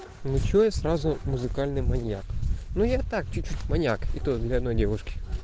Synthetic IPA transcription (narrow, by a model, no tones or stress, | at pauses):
nʊt͡ɕojəsrazʊmʊzɨkalʲnɨjmɐnʲja̰knujat̪ak̚t͡ɕʊt͡ɕːutʲmɐnʲakit̪od̪lʲɐɐd̪nojdʲevʊʂkʲɪ̥